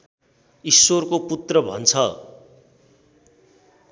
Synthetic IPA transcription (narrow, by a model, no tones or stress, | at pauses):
isworkoput̪rʌbʱʌ̰nt͡sʰʌ